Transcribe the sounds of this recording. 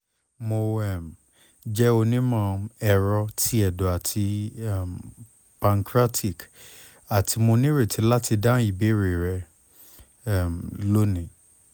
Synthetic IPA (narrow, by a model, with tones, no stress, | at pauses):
mo˧ɛ˦˨m˨ | d͡ʒɛ˦o˧nĩ˦mã˦˧˨ɛ˧ɾɔ˧tʰi˦ɛ˨dɔ˨a˨tʰi˧˨m | pã˨ŋkɾa˦tʰi˦˨k | a˨tʰi˧mo˧nĩ˦ɾe˦˨ti˨˧˦la˦ti˧dã˦i˦˨be˦˨ɾe˨ɾɛ˧ | ɛ˦˨m˨lo˦nĩ˨